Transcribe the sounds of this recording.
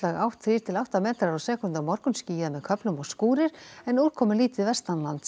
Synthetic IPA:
laɣawht̪ʰɾiːɾ̥t̪ʰɪlawht̪amɛːt̪ɾaɾɔsɛːkʏnt̪amɔɾkʏnsciːjðamɛðkʰœplʏmɔɣskuːɾɪɾ̥ɛnuːlkʰɔːmʏliːt̪ɪðvɛst̪anlant̪

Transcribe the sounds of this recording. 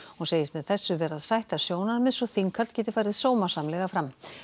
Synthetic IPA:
hunseːjɪst̪mɛðθɛsːʏvɛːɾaðsajht̪aɾ̥sjoːwnaɾmɛðsɔθiŋkʰːalt̪cɛːt̪ɪ̥fajɾɪðsoːwmḁsamlɛɣafɾam

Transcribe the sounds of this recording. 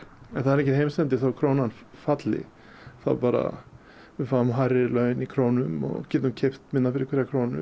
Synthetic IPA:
ɛnθaðɾɛcɪhejmst̪ɛnt̪ɪθawkʰɾownanfat̪lɪ̰ | θa̰ðpaːɾa̰ | ɪfaːʏmɦajɾɪlœɥɪnikʰɾoːwnʏmɔ̰ɣcɪːt̪umcʰeft̪mɪnːafɪɾɪkʰvɛɾakʰɾownʏ̰

